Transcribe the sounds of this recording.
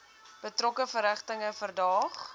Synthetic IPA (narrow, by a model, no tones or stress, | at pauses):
b̥ətrɔkəfəɾəχtəŋəfərdɑːχ